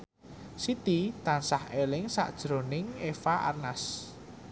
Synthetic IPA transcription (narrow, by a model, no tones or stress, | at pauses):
sit̪it̪ansahelɪŋsa̰ʔd̥ʒ̥ɾonɪŋefaʔa̰rnas